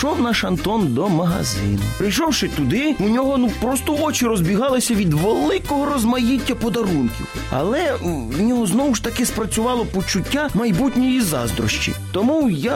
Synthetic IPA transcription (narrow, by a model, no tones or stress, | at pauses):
ʃɔwnɑʃɐnt̪ɔnd̪ɔmɐɦɐ̰zɪ̰nʊpɾɪjʃɔwʃɪt̪ʊd̪ɪunʲɔɦɔnupɾɔst̪ɔɔt͡ʃiɾɔzbʲiɦɑlˠɪsʲɐʋʲid̪ʋelˠɪkɔɦɔɾɔzmɐjitʲːɐpɔd̪ɐɾunkʲḭ | ɐ̰lˠɛ | nʲɔɦɔznɔwʊʃt̪ɐkɪspɾɐt͡sʲʊʋɑlˠɔpɔt͡ʃʊtʲːamɐjbutʲnʲijizɑ̰zd̪ɾɔ̰ʃt͡ʃḭt̪ɔmuja